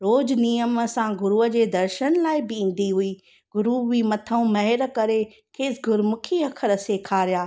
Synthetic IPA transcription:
ɾoːd͡ʑnijəməsãɡʊɾuəd͡ʑeːd̪ɐɾʃənlaːɪbɪĩːn̆d̪iɦuiː | ɡʊɾuʋiːmɐt̪ʰəũmɐɦɪɾkɐɾe | kʰeːsɡʊɾmʊkʰiɐkʰəɾəseːkʰaːɾijaː

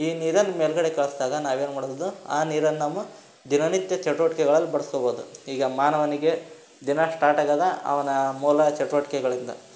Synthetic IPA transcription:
iːniːɾɐnːumeːlɡɐɽe̞kɐɭɐsd̪aːɡɐnaːʋe̞ːnumaːɽd̪ua̰ːniːɾɐnːnaːmːu | d̪inɐnit̪jɐt͡ʃɐʈuʋɐʈikɛɡɐɭɐlːibɐɽɐskoboɦːd̪ṵiːɡɐmaːnɐʋɐniɡe̞ | d̪inɐsʈaːʈɐɡaːd̪ɐɐ̰ʋɐnɐmuːlɐt͡ʃɐʈuʋɐʈi̥kɛɡɐɭind̪ɐ̰

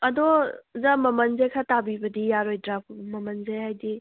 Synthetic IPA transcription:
ɐdɔzamɐmɐnzekʰatabibɐdijaɾojdɾap̚ʰmɐmɐnzejɦajdi

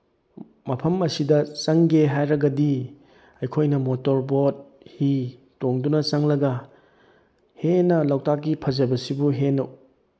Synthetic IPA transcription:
mɐpʰɐmɐsidɐt͡ʃɐŋɡeɦajɾɐɡɐdi | ɐjkʰojnɐmotoɾbot̚ | hi | toŋdunɐsɐŋlɐɡɐ | henɐlɐwtak̚ɡipʰɐzɐbɐsibuɦenɐw

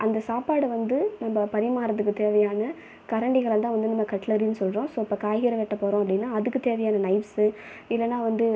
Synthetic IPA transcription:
ʔɐnd̪ɐsaːpaːɽɯʋɐnd̪ɯnɐmːɐpɐɾɪmaːɾɐðɯkːɯt̪eːʋɐjaːnɐ | kɐɾɐɳɖɪɣɐɭɐt̪ãːʋɐnd̪ɯnɐmːɐkɐʈːlɐɾinːɯsɔlɾõːsoːɪpːoːkaːjɣɪɾɐʋɛʈːɐpːoːɾõːɐpːɐɽɪnːaːɐðɯkːɯt̪eːʋɐjaːnɐnɐɪpsɯ | ɪlːɛnːãːʋɐnd̪ɯ

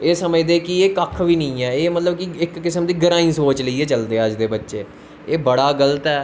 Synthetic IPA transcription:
eːsəməd͡ʒd̪eːkieːkəkʰʋiːnəĩːɛːeːmət̪ləbkiɪkːɪsəmd̪iːɡəɾãːĩːsoːt͡ʃləiːɛːt͡ʃəld̪eːəd͡ʒd̪eːbətːʃeː | eːbəɽaːɡələt̪ɛː

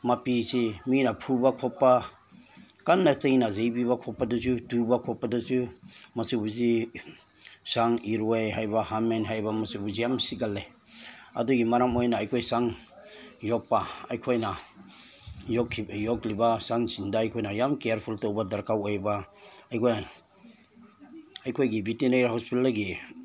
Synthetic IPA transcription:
mapisiminapʰubakʰɔpːa | kanːasejnazejbiβakʰɔpːadus̬udubakʰɔpːadusumɐsibuzi | saŋiɾwejɦajbahamenɦajbamɐsibuzijamsiɡalːe | a̰duɡimaɾamojnaːjkʰojsaŋ | jɔk̚paajkʰojna | jɔkʰijɔklibasaŋsindaːjkʰojnajamkejaɾpʰultowbadaɾkawejbaajkʰojn | ajkʰojɡibʱitinejahɔspilaɡi

